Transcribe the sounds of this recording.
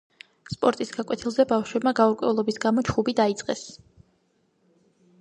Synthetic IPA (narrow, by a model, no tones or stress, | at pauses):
spʼɔɾt̪ʼisɡ̥akʼɛt̪ʰilˠzɛbafʃwɛbmaɡauɾkʼwɛ̰ulˠɔbisɡamɔt͡ʃʰχubid̪ait̪sʼqʼɛs